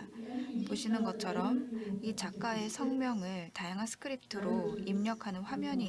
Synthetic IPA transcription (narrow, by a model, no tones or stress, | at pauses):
poɕʰinɯnɡʌt͡ɕʰʌɾʌmit͡ɕak͈ae̞sʰʌŋmjʌŋɯɭtajaŋɦansʰɯ̥kʰɯɾip̚tʰɯɾoimɲʌkʰanɯnɸwamjʌɲi